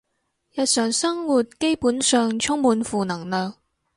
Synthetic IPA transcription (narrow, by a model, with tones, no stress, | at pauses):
jɐ˨t̚sœː˨ŋsɐ˥ŋwuː˨˩t̚ke˥jpuː˨˥nsœː˨ŋt͡ʃʰʊ˥ŋmuː˨˥nfuː˨˩nɐ˨˩ŋnœː˨ŋ